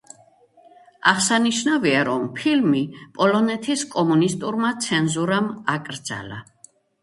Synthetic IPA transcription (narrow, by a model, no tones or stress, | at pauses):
aχsaniʃnaviaɾɔmpʰilmipʼɔlɔnɛt̪ʰiskʼɔmunist̪ʼuɾmat̪sʰɛnzuɾamakʼɾd̪z̥a̰la̰